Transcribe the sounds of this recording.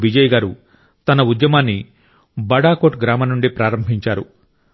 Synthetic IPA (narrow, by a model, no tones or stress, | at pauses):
bid͡ʒɐjɡaːɾu | t̪ɐnɐud̪jɐmaːnːi | bɐɽaːkoːʈɡɾaːmɐnuɳɖipɾaːɾɐmbʱiɲt͡ʃaːɾu